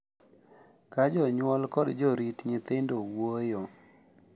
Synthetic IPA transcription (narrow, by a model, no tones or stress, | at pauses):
kad͡ʒɔɲwɔlkɔdd͡ʒɔɾitɲɪt̪ɪndowojɔ